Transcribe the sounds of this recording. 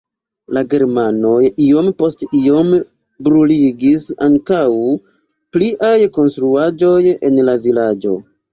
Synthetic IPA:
laɡe̞ɾmano̞jio̞mpo̞stio̞m | bɾuliɡisaŋkaw | pliʔajko̞nstɾuad͡ʒo̞jḛnlavilad͡ʒo̞̰

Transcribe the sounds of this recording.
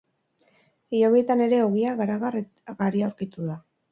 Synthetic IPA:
ijoβeet̪ane̞ɾe̞o̞ɣiaɣaɾaɣar | ɣariawɾkit̪uða

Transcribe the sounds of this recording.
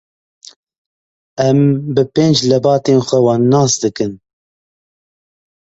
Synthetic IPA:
ɛmbɨpeːnd͡ʒlɛbɑːt̪eːnxʷɛwɑːnːɑːsd̪ɨkɨn

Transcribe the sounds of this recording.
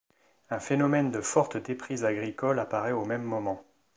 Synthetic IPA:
ɛ̃fenɔmɛnd̪əfɔʁt̪d̪epχizaɡʁikɔlapaʁɛomɛmːɔmɑ̃

